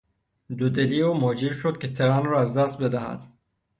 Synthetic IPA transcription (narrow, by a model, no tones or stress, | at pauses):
d̪od̪eliːomod͡ʒiɾʃod̪̚kʲʰet̪ʰeɾænrɔːæzd̪æst̪̚bed̪æhæ̰d̪̥